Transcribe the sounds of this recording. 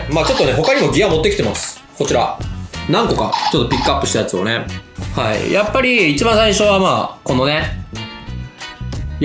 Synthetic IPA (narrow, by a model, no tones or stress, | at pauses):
maːt͡ɕo̞t̪ːo̞ne̞ɦo̞kaɲimo̞ɡʲijamo̞t̪ːekʲit̪e̞masɨ̥ | ko̞t͡ɕiɾa̰nãŋko̞ka̰t͡ɕo̞t̪ːo̞pʲikːɯ̟apːɯ̟ɕi̥t̪ajat͡sɨo̞ne̞haḭjʔapːaɾʲiːt͡ɕibãɰ̃saiɕo̞βamaːko̞nːo̞ne